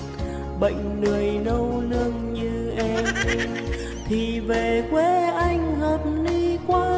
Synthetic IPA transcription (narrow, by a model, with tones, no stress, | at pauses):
ɓə̰˧˨jŋ̟nɨ˨˩əjnə˧wlɨ˧əŋɲɨ˧ | ʔɛ˧m | t̪ʰi˨˩ve˨˩kwe˧˦ʔa˧jŋ̟həː˨˩p̚ni˧kwaː˧˥